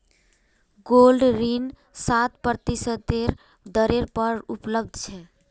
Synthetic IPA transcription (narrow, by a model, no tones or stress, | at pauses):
ɡolɖɾin | sat̪pəɾt̪isət̪eɾ | d̪əɾeɾpəɾupləb̚d̪ʱt͡ʃʰɛ